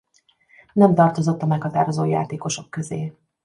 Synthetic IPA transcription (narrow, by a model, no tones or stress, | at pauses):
nɛmt̪ɒrt̪o̞zo̞t̪ːɒmɛkhɒt̪aːɾo̞zoːja̰ːt̪eːko̞ʃo̞kːø̞zeː